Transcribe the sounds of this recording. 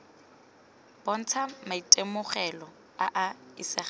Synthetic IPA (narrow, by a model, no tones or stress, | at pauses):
b̥ɔn̩t͡sʰamaitʼemʊχɛlɔ | aʔaɪsɪ